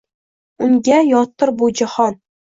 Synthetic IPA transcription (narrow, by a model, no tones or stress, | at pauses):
ʊŋɡʲajɒt̪ːɨɾbud͡ʒahɒn